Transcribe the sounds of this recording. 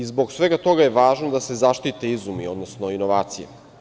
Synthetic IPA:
izbo̞ɡsʋe̞ɡat̪o̞ɡaje̞ʋaːʒnod̪ase̞zaʃt̪it̪eizumio̞d̪nosno̞inoʋaːt̪sijḛ

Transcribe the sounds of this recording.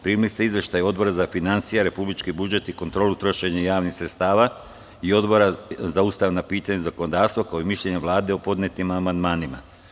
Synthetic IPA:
pɾiːmilist̪eizʋje̞ʃt̪ajo̞d̪bo̞ɾazafinant̪sijaɾe̞publit͡ʃkibud͡ʒe̞t̪iko̞nt̪ɾoːlut̪ɾo̞ʃe̞ɲajaːʋnixsɾet̪st̪aːʋa | io̞d̪bo̞ɾazaust̪aʋnapiːt̪aɲezako̞nod̪aːɾst̪ʋokaoimiʃʎe̞ɲeʋlˠaːd̪e̞opo̞d̪net̪nimamand̪maːnima̰

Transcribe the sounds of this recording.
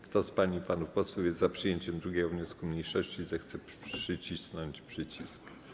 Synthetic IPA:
kt̪ɔspaɲipanufpɔswufjɛst̪zapʂɘjeɲt͡ɕɛmd̪ɾuɡʲɛɡɔvɲɔskumɲejʂɔɕt͡ɕizɛxt̪sɛpʂʂɘt͡ɕisnɔɲt͡ɕpʂɘt͡ɕisk

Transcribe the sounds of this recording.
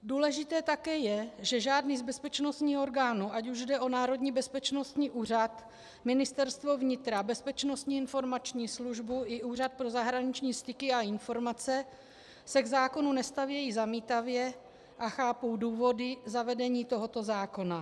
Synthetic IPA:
duːlɛʒɪt̪ɛːt̪akɛːjɛʒɛʒaːdniːzbɛspɛt͡ʃnost̪ɲiːo̞ɾɡaːnuːacuʒdɛʔo̞naːɾo̞dɲiːbɛspɛt͡ʃno̞st̪ɲiːʔuːr̝at̪ | mɪnɪst̪ɛɾst̪vo̞vɲɪt̪ɾabɛspɛt͡ʃno̞st̪ɲiːɪnfo̞ɾmat͡ʃɲiːsluʒbuʔɪʔuːr̝at̪̚pɾo̞zaɦɾaɲɪt͡ʃɲiːst̪ɪkɪaɪnfo̞ɾmat͡sɛ | sɛɡzaːko̞nunɛst̪avjɛjiːzamiːt̪avjɛ | ʔaxaːpowduːvo̞dɪzavɛdɛɲiːt̪o̞ɦo̞t̪o̞zaːko̞na

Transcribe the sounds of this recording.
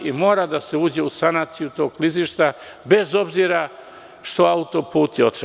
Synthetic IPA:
imo̞ːɾad̪ase̞uːd͡ʑe̞usanaːt̪sijut̪o̞ːɡliziʃt̪abe̞zo̞bziɾa | ʃt̪o̞aut̪o̞puːt̪io̞t̪ɾ

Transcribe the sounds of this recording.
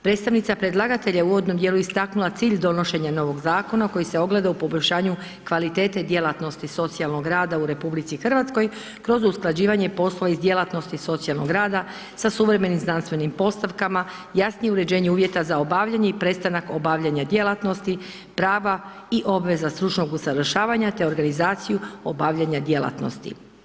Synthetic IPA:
pɾet̪st̪aʋnit̪sapɾe̞d̪lˠaɡat̪e̞ʎauʋo̞d̪no̞md̪je̞luist̪aknulat̪siːʎd̪o̞no̞ʃe̞ɲano̞ʋo̞ɡzaːko̞nako̞jise̞o̞ɡle̞d̪aupo̞boʎʲʃaːɲu | kʋalit̪e̞ːt̪e̞d̪je̞lat̪no̞st̪iso̞t̪sialˠno̞ɡɾaːd̪auɾe̞publit̪sixr̩ʋat̪sko̞j | kɾo̞zusklˠad͡ʑiːʋaɲepo̞slˠo̞ʋaizd̪je̞lat̪no̞st̪iso̞t̪sialˠnoɡɾaːd̪a | sasuʋɾe̞me̞nimznanst̪ʋe̞nimpo̞st̪aʋkamajasnijeuɾe̞d͡ʑe̞ːɲeuːʋje̞t̪azao̞baːʋʎaɲeipɾe̞t̪st̪anako̞baʋʎaɲad̪je̞lˠat̪no̞st̪i | pɾaːʋa | iʔo̞bʋe̞zast̪ɾut͡ʃno̞ɡusaʋr̩ʃaːʋaɲat̪e̞o̞ɾɡanizaːt̪sijuobaːʋʎaɲad̪je̞lˠa̰t̪no̞̰st̪ḭ

